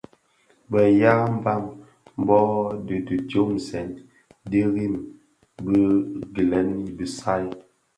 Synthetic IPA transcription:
bə˨ja˦ɣm˦ba˦m | m˦bɔ˦di˨də˨d͡ʒo˦m˨sɛ˨n | di˦ɣi˦˨m | bə˦ɡi˨lɛ˨˦ni˦bi˨sa˦j

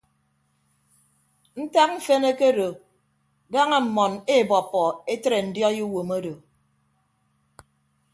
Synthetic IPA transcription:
n̩˦ta˦k̚ɱ̩˦fe˦ne˦ke˦do˨ | da˦ŋe˦m̩˨mɔ˨ne˦˨bɔ˨pːɔ˨e˦tɾe˨n̩˨djɔ˦ju˦wo˨mo˦do˨

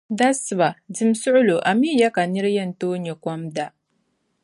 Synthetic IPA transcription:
da˦sba˨dɪ˦˨msʊ˦ʔʊ˦lo˨ʔa˨mi˦ja˦ka˨nɪ˦ɾjɐ˦˨ntoː˦ɲɛ˨kʷɔ˦mda˨

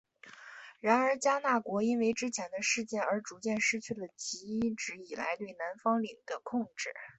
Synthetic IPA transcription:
ɻa˧˥nə˞˧˥t͡ɕja˥na˥˩kwɔ˧˥i˥nwe˧˥ɪʈ͡ʂɻ̩˥t͡ɕʰjɛ˧˥nd̪ə˧ʂɻ̩˥˧t͡ɕjɛ˥˩nə˞˧˥ʈ͡ʂu˧˥t͡ɕjɛ˥˩nʂɻ̩˥t͡ɕʰy˥˩lə˩t͡ɕi˧˥i˥ʈ͡ʂɻ̩˧˥i˨˩la̰˧˥ɪt̪we˥˩ɪna˧˥nfɑ˥ŋli˨˩ŋd̪̥ə˦kʰʊ˥˧ŋʈ͡ʂɻ̩˥˩

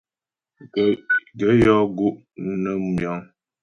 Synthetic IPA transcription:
ɡə˨˦jɔ˦ɡu˦ʔ | nə˦mjɔ˨˦ŋ

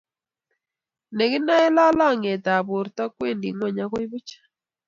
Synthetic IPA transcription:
ne˨ɡɪ˦na˦ɛ˦la˦lɔ˦˨ŋe˨t̪a˨bo˨ɾt̪ɔ˦kwe˦˨ndḭ˨ŋwɔ˦˨ɲa˦kɔ˦i˦bu˦t͡ʃḁ˦

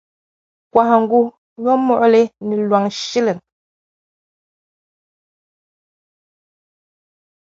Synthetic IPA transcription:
kwa˨ha˨ŋ̩˦ɡu˦ | ɲ˦ɔ˦mɔ˨ʔle˦ni˨lwa˨ŋʃi˦le˨n

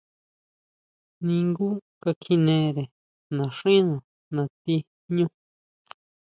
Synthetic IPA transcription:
nĩ˧ŋɡu˦ka˧kʰĩ˧nẽ˧ɾe˨ | nã˨ʂĩ˦nõ˨ | nã˨t̪i˧ | ɲũ˦

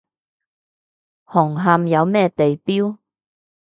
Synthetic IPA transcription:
hɔː˨˩ŋɦɐ˧mjɐ˨˧wmɛː˥t̪e˨jpiː˥w

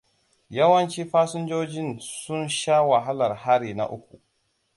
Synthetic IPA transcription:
jɐ˦wɐ˦nt͡ʃiː˦ɸaː˦sʊ˦nd͡ʒoː˦d͡ʒɪ˦nsʊ˦nʃa˦wa˨ɦa˦lɐ˨rha˦ɽiː˨na̰˦˨ʔʊ˦kʷu˨

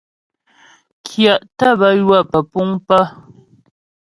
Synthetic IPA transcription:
kʰja˨ʔta˦˨bə˦jwa˦˨pə˨pu˦ŋpə˦

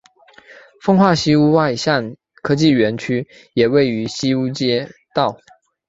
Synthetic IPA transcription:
fɤ˥ŋxwa˥˩ɕi˥u˥wa˥˧ɪɕa˥˩n | kʰɤ˥t͡ɕi˥˩ɥɛ˧˥nt͡ɕʰy˥ | jɛ˨˩we˥˩ɪy˧˥ɕi˥u˥t͡ɕjɛ˥t̪ɑ˥˩ʊ

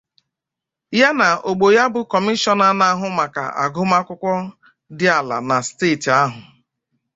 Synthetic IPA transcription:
ja˦na˨o˨ɡ͡bo˨ja˦bʊ˨kɔ˨mi˦ʃɔ˨na˦na˦ɦʊ˨ma˨ka̰˨a̰˨ɡʊ˦ma˦kʷʊ˦kʷɔ˦ | dɪ˦a˨la̰˨na˨steː˦˨ta˦ɦʊ˨

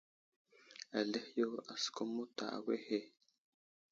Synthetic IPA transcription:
a˨le˦hjo˦a˨sko˦mu˦ta̰˨a̰˨we˦he˦

